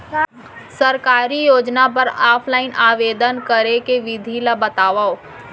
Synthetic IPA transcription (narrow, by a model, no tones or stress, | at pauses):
səɾkaːɾijoːd͡ʒnap̬ɐɾaːpʰlaːɪnʔaːʋeːd̪ənkəɾekeʋɪd̪ʱilabət̪aːʋaːo